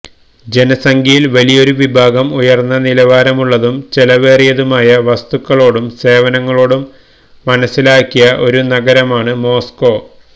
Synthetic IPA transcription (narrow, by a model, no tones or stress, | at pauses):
d͡ʑe̞nɐsɐŋɡʱijilʋɐlijo̞ɾuʋibʱaːɡɐmujɐrnːɐnilɐʋaːɾɐmuɭːɐðumt͡ɕelɐʋe̞ːrijɐðumaːjɐʋɐst̪ukːɐɭo̞ːɽumse̞ːʋɐnɐŋːɐɭo̞ːɽumː | ɐnɐsːilaːkːijɐʔo̞ɾunɐɡɐɾɐmaːɳɨmo̞ːsko̞ː